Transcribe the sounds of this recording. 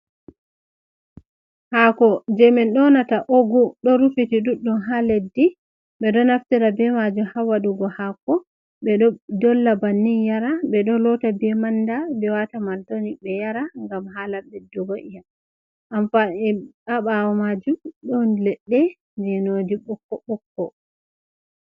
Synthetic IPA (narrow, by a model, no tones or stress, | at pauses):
hakɔd͡ʒɛmɛnɗɔnataʔoɡuɗɔɾufitiɗuɗunɦaledːi | ɓɛɗɔnaftɛɾabɛmad͡ʒumhawaɗuɡɔhakɔ | ɓɛɗɔdɔlːabanːinjaɾaɓɛɗɔlɔtabɛmandabɛwatamaltonibɛjaɾaŋɡamɦalabɛdɔɡoʔija | ʔamfaɛaɓawɔmad͡ʒumɗɔnlɛɗːɛ | d͡ʒɛnodiɓɔkːɔɓɔkːɔ